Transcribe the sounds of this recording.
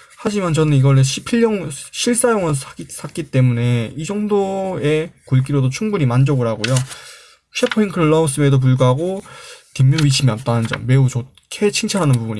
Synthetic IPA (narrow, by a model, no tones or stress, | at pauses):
had͡ʑimant͡ɕʌnɯniɡʌɾeɕʰipʰiʎːʌŋɕʰiɭs͈ajoŋɯɭsʰaisʰak͈it͈e̞mune̞id͡ʑʌŋdoe̞kuɭk̬͈iɾodot͡ɕʰuŋbuɲimand͡ʑʌɡɯɾaɡojo | t͡ɕʰepʰoiŋkʰɯɾɯɭːʌus͈ɯmedop̬uɭɡuɦaɡotimːjoɥit͡ɕʰimiʌp̚t͈anɯnd͡ʑʌ̰mme̞ut͡ɕo | kʰet͡ɕʰiŋt͡ɕʰaɾɦanɯnpubuɲi